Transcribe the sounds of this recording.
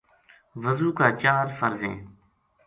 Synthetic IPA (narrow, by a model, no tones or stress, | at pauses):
ʋəzuːkaːt͡ʃaːɾfəɾzḛ̃ː